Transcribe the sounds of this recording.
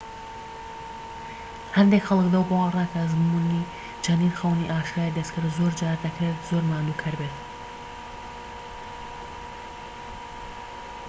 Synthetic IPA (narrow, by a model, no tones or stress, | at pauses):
hɐnd̪ekxɐlˠɨkd̪awbowarˤaːkʰɐzmuni | d͡ʒʰɐniːɾxɐwniʔaːʃɾaːjid̪ɐskʰɨɾzoːɾd͡ʒaːɾd̪ɐkɾet̪z̥oɾmaːnukʰɐɾbet̪